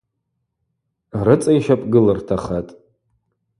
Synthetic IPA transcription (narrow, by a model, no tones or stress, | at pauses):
rɨt͡sʼajʃapʼɡɨlɨrtʰaχatʼ